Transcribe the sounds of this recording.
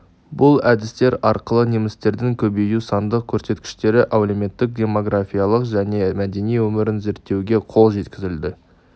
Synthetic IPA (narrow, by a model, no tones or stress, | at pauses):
bʊlˠæd̪ɪst̪e̞ɾɑɾqəlˠənemɪst̪e̞ɾd̪ɪŋkʲʰɵbejusɑnd̪əq̚kʲʰɵɾse̞t̪kʲɪ̥ʃt̪e̞ɾɪʔawleme̞t̪ːɪk̚d̪ʲe̞mo̞ɡrafʲijalˠəqʒæne̞mæd̪e̞nijwɵmɪɾɪnze̞ɾt̪ːe̞wɡʲe̞qʰo̞lˠʒe̞t̪kʲɪzɪld̪ɪ